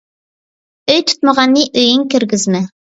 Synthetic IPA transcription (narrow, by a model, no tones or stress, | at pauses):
ɵjt̪ʰʊ̥t̪mɑʁɑnːiʔɵ̆jɘŋkɘ̆ɾɡɘzmɘ